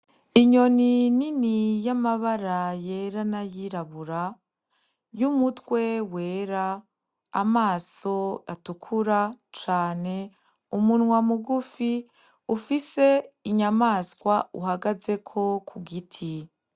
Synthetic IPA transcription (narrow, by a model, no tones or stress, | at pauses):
iɲo̞nininijamaβaɾajeɾanajiɾaβuɾa | jumutwe̞we̞ːɾaː | maːso̞atukʰuɾat͡ʃaːne̞ | umunŋwamuɡufi | ufise̞iɲamaːskwauɦaɡaze̞kʰo̞kʰuɡitʰi